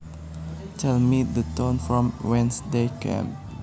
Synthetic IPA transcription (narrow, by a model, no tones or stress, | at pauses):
tʰɛlmit̚dətõnfɹɔ̃mwɛ̃nsdekʰɛ̰̃m